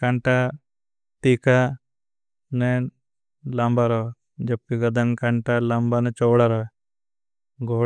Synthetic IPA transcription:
kaɳʈa | t̪iːka | ne | lambaɾɔ | d͡ʒɐb̚kiɡɐd̪ɐŋkaɳʈalambanet͡ʃowɽaɾɔ | ɡo

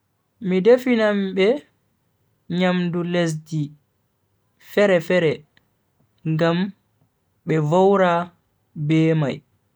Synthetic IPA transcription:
midefinambɛ | ɲamdules̬di | fɛɾɛfɛɾɛ | ŋɡam | ɓɛvowɾa | bɛːma̰j

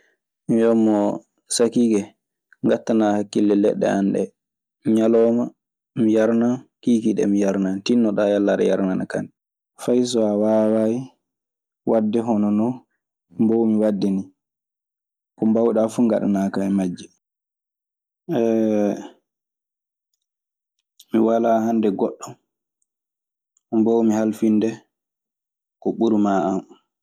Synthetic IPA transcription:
mijɔmːɔ | sakiɡɛ | ŋɡatːanahakːilːɛlɛ̰ɗːɛ̰anɗɛ̰ | ɲalɔːma | mijaɾnakiːkiɗɛ̰mijaɾnantinːɔɗajalːaɗɛ̰ja̰ɾnanaka̰n | fajs̬ɔawawaji | wadːɛɦɔnɔnɔ | mbɔwmiwadːini | kɔmbawɗafuŋɡa̰ɗa̰nakaɛmad͡ʒːɛ | ɛ | miwalahandɛɡɔɗːɔ | mbɔwmihalfindɛ | kɔɓuɾumaam

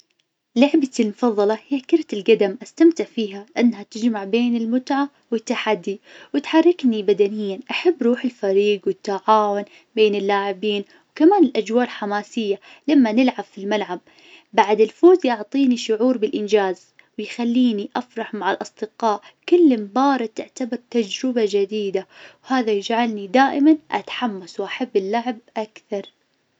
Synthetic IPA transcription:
lʊʕbalmʊfɑðˤːɑlɑhɪjːakɪɾt̪ɪlɡad̪amʔast̪amt̪ɪʕfiːɦalɪʔanːhat̪ɪd͡ʒmaʕbeːnɪlmʊt̪ʕa | wɪt̪ːaħad̪ːiwɪt̪ħɑrˤːɪknibad̪anɪjːanʔaħabːɾˤuːħɪlfaɾiːɡwɪt̪ːaʕaːwʊn | beːnɪlːaːʕɪbiːn | wkamaːnɪlʔad͡ʒwaːʔlħamaːsɪjːa | lamːanɪlʕabfilmalʕab̚ː | aʕd̪ɪlfoːzjʊʕt̪ˤiːniʃʊʕuːɾbɪlʔɪnd͡ʒaːz | wɪjxalːiːniʔafɾˤɑħmaʕalʔɑsˤd̪̥ɨqɑːʔkʊlːɪmbɑːɾˤɪd̪ɪʕt̪abɑɾt̪ad͡ʒɾɪbad͡ʒɪd̪iːd̪awhaːðajɪd͡ʒʕalnid̪aːʔɪmanʔa̰t̪ħamːaswʔaħabːɪlːaʕɪb̚ʔakθɑɾˤ

